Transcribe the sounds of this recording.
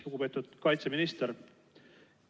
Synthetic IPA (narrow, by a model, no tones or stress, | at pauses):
loɡupe̞ːt̪ːˑud̪̥kɑjt̪seminist̪eɾ